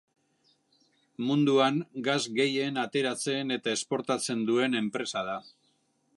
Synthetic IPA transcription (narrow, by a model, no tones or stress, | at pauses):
mund̪uaŋɡazɡe̞je̞nat̪e̞ɾat͡se̞ne̞t̪ae̞spo̞ɾt̪at͡se̞nd̪ue̞ne̞mpɾe̞sað̞a